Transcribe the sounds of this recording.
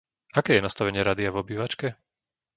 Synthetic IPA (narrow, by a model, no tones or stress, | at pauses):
akɛːjɛnast̪aʋɛɲɪɛɾaːd̪iavɔbiːʋat͡ʃkɛ